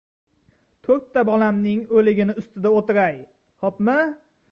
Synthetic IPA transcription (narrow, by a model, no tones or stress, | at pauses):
t̪ʰoɾt̪ʰːabɒlamnɪŋolɪɡʲɪnɪʊst̪ɪd̪aot̪ɪɾaj | hɒpmɪ